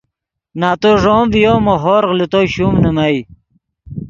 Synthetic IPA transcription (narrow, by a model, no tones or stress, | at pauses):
naːt̪oʐoːmvijoːmoɦoːɾɣlit̪oɕumnəmaj